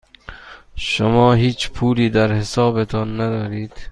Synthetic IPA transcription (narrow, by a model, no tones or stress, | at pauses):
ʃomɒːɦiːt͡ʃpʰuːliːd̪æɾhesɒːbet̪ʰɒːnːæd̪ɒːɾiːd̪̥